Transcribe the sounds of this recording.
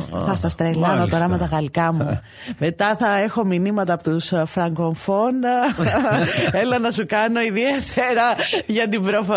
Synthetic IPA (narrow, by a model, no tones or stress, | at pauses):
θɐst̪ɐst̪ɾelɐnot̪o̞ɾɐme̞t̪ɐɣɐlkɐmu | me̞t̪ɐθɐe̞xo̞minimɐt̪ɐːpot̪usfɾɐŋɡoɱfon | elɐnɐsukɐno̞iðiet̪ʰeɾɐʝɐt̪ibɾofo